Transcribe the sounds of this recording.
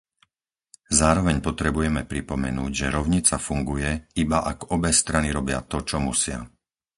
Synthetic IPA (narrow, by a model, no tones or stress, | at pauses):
zaːɾɔʋɛɲpɔt̪ɾɛbujɛmɛpɾipɔmɛ̰nuːɟʒɛɾɔʊɲit͡safuŋɡujɛibaʔaɡɔbɛst̪ɾaniɾɔbɪa̰t̪ɔt͡ʃɔmusɪa̰